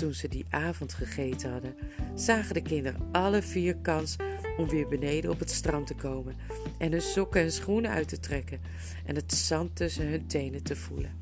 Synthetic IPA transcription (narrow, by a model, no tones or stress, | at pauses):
tunzədiʔaːvɔntχəχejtəɦɑdənz̥aːχədəkɪndərə̰ɑləviːɹkɑnsɔmʋɪːɹbənejdəɔpətstrɑmtəkowmən | ʔɛnɦɵnsɔkənsχunəœ̰ɥtətrɛkən | ʔɛ̰nɦətsɑntɵsənɦɵntejnətəv̥ulə̰n